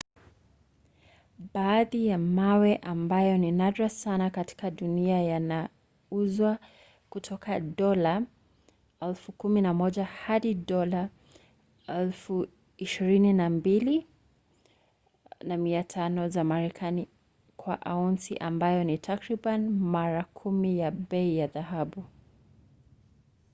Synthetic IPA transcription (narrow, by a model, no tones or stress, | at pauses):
ɓaːðijamawɛʔambajɔninadɾasanakati̥kaɗuniajana | uzwa | kutʰɔkʰaɗɔla | ɛlfukuminamɔʄahaɗiɗɔla | ɛlfu | iʃiɾininambili | namiatʰanɔzamaɾɛkʰani | kwa̰ʔaunsḭʔambajɔnitʰakɾiɓanmaɾakʰumijaɓɛijaðaɦaɓu